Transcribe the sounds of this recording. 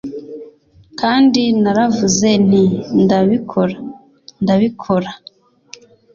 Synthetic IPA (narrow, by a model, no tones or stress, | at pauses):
kaːndinaɾavuze̞n̥indaβikʰo̞ɾa | ndaβikʰo̞ɾa